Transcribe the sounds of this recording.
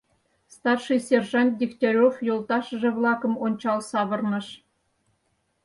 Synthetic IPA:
st̪ɑrʂɨjsʲerʒɑnt̪̚ʲdʲikt̪ʲoɾʲofjolˠt̪ɑʃə̆ʒĕvlˠɑkɤ̆monʲt͡ɕɑlˠsɑβɤ̆rnɤ̆ʃ

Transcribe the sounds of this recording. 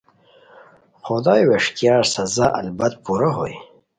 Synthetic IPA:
xod̪ɑːjweʂt̪jɑːɾsɐzaʔa̰lbɐt̪̚puɾaɦo̰j

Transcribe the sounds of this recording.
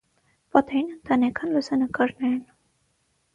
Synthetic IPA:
pɑt̪ɛjinənt̪ɑnɛkʰɑnlusɑnəkɑɾnɛɾɛn

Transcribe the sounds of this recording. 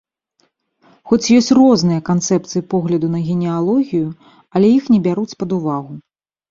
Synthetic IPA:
xɔt͡sʲjɔsʲt͡sʲrɔznɨjɐkant̪sɛp̚t̪sɨjipɔɣlʲɐd̪unɐɣʲɛnʲɛalˠɔɣʲiju | ɐlʲɛjixnʲɛbʲaɾut͡sʲpɐd̪uvaɣu

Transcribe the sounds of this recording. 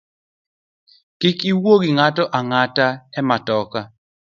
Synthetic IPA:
kɪkiwoɡiŋatɔʔaŋataɛmatɔka

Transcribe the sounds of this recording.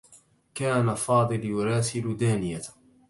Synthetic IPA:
kaːnafɑːd̪ˤɨljʊɾˤɑːsɪld̪aːnɪja

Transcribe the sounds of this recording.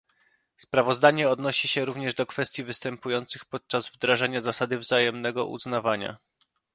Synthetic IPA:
spɾavɔzd̪aɲɛɔd̪nɔɕiɕɛɾuvɲɛʐd̪ɔkfɛst̪ʲjivɘst̪ɛmpujɔnt̪sɘxpɔt̪̚t͡ʂazvd̪ɾaʐaɲazasad̪ɘvzajɛmnɛɡɔ̰ʔṵznavaɲa̰

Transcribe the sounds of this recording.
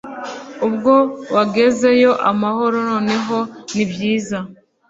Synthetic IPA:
ubɡo̞waɡe̞ze̞jo̞ʔa̰maho̞ɾonoːne̞ɦo̞nibjiːza

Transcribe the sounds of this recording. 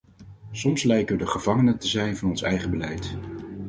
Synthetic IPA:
sɔmslɛjkəʋədəχəv̥ɑŋənətəzɛjnvɑnɔnsɛjχəbəlɛjt

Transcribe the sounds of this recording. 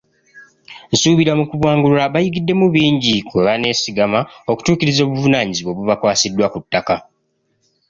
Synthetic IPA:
nsuːβiɾamukuβwaːŋɡuaβajiɡidːe̞muβiːɲɟikweβane̞siɡamaoku̥tuːkiɾizo̞ːβuvunaːɲiziβwo̞βuβakwaːsidːwakutːaka

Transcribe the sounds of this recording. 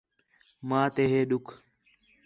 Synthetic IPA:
mãːt̪eːɦeːɗʊkʰ

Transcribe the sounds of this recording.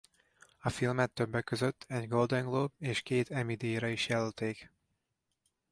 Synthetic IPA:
ɒfilmɛt̪ːøbːɛkːøzøt̪ːɛɟɡold̪ɛŋɡloːbeːʃkeːt̪ɛmid̪iɾɒiʃjɛlølt̪eːk

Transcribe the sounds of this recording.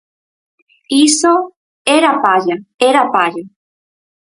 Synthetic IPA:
iso | eɾapaʒaeɾapaʒa

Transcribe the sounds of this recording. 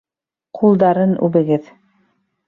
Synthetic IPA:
qʰulˠd̪ɑɾɤnʉ̰βɘ̆ɡɘð

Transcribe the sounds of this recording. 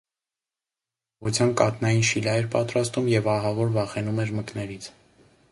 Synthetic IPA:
ʁut͡sʰjɑnkɑt̪nɑjinʃilɑɛɾpɑt̪ɾɑst̪umjɛvɑɦɑvɔɾvɑχɛnumɛɾməknɛɾit͡sʰ

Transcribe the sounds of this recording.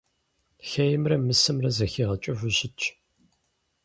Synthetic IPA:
xɐjɪmrɐmɨsɨmrɐzɐxiːʁɐt͡ʃʼʊvɨɕɪt͡ʃʰʼ

